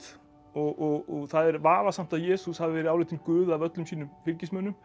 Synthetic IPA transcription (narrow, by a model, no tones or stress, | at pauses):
ɔɣɔɣɔɣθaðɛɾvaːvasam̥t̪aðjɛːsushavɪvɛːɾɪaːwlɪːt̪ɪmkʏːðavœt̪lʏmsiːnʏmfɪɾcɪsmœːnʏm